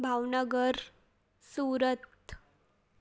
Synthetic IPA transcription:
bʱawnəɡəɾ | suɾət̪

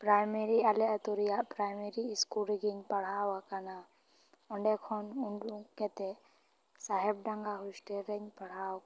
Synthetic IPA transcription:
pɾajmɛɾialɛɐt̪uɾijaʔpɾajmeɾiskuɾɛɡiɲpɐɽ̤awakana | ɔɳɖɛkʰɔnuɳɖukɛt̪ɛ | saɦɛbɖãŋɡaɦusʈɛɾɛɲpɐɽ̤aw

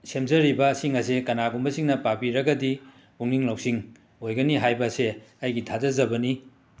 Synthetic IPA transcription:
semzɐɾibɐːsiŋɐsekɐnaɡumbɐsiŋnɐpapiɾɐɡɐdi | uŋniŋlɐwsiŋ | ojɡɐniɦajbɐseɐjɡitʰazɐzɐbɐni

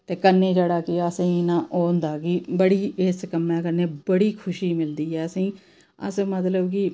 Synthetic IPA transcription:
t̪eːkənːeːd͡ʒəɽaːkiəsẽinãːʔoːnd̪aːkiːbəɽiːʔeskəmːɛ̃ːkəneːbəɽiːkʰʊʃiːmɪld̪iːɛːəsĩː | ə̰smət̪ləbkɪ

